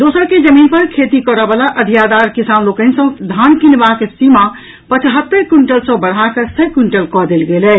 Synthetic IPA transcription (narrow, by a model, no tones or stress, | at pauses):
d̪osəɾked͡ʒəminpəɾkʰet̪ikɔɾəbalaʔəd̪ʱijad̪aɾkisanlokənsə̃d̪ʱankinbaksima | pət͡ʃɦət̪ːəɾkuɳʈəlsə̃bəɽ̤ɦakəsəkuɳʈəlkɔd̪elɡelɛ